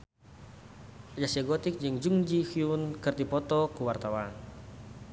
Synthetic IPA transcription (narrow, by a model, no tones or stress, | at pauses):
ad͡ʒasiaɡɔt̪ɪk̚d͡ʒɨŋd͡ʒuŋd͡ʒixiunkərt̪ipɔt̪ɔkuwart̪awan